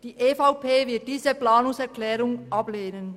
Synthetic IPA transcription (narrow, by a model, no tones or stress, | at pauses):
d̥iːʔeːfaʊpʰeːvɪɐt̚d̥iːzəplaːnʊŋsɛɐklɛːʁʊŋʔɑbleːnən